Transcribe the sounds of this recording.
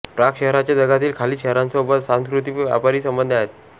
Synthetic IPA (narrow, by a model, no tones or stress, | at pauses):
pɾakɕɛɦɾat͡ɕjad̪əɡat̪iːlkʰaliːɕɛɦɾansobət̪sãnskɾut̪iʋja̰paɾiːsəmbənd̪ʱəaɦet̪̚